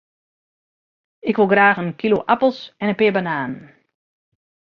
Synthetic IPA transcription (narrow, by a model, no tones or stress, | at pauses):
ɪkʋolˠɡraːxənkʰiloʔapl̩ˠsɛnənpɪəbanaːn